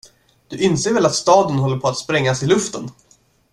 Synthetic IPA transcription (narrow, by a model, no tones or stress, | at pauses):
d̪̥ɵʔɪnseːɾvɛlat̪st̪ɑːd̪ənɦɔlːəɾpʰɔat̪spɾɛŋːasɪlɵft̪ən